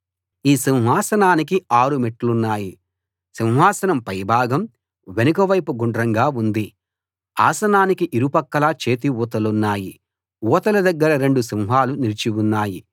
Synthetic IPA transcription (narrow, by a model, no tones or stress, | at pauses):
iːsiwɦaːsɐnaːnik̬iaːɾumeʈːlunːaːji | siwɦaːsɐnɐmpɐjbʱaːɡɐm | ʋe̞nɐkɐʋɐjpuɡuɳɖɾɐŋɡaːund̪i | a̰ːsɐnaːnikiʔiɾupɐkːɐlaːt͡ʃe̞ːt̪̬iʋuːt̪̬ɐlunːaːji | wɔːt̪ɐlɐd̪ɐɡːɐɾɐɾe̞ɳɖusiwɦaːlunilt͡ʃiunːaːji